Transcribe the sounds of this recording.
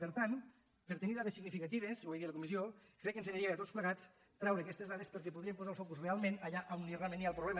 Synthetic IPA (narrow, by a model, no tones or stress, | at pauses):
əɾt̪an | pəɾt̪əniðaðesiɣnifikət̪iβ̞esβwujðiələkumiziokɾɛkːənseɲaɾiəət̪ot͡sspləɣat͡s | t̪ɾɛwɾeːkɛst̪ezðaðespəɾk̬epuðɾiempozaəlˠfɔkuzrealˠmenɐʎaʔawnirealˠmẽnːjalˠpɾuβlɛmə